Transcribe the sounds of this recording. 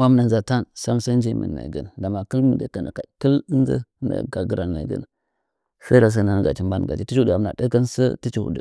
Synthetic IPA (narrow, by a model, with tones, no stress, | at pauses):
wa˦m˦na˨nza˨ta˦nsa˦msə˦nd͡ʒi˦mə̰˨nːa̰˨ɡə̰˨n˨da˨ma˨kə˦lmə˨də˨˦˨kə˦n̰˨ka˨kə˦lə˦n˦zə̰˦nə̰˨ɡa˨ɡə˨ɾa˨nːa˨ɡə̰˦n˨ | sə˦ɾa˨s̬ə˦na˨a˦˨ɡa̰˨t͡ʃi˦mba˦n˨ɡa̰˨t͡ʃi˦ti˦u˦da˨m˨a̰˨də˦kə˦nsə˦ti˦t͡ʃi˦ṵ˨də̰˨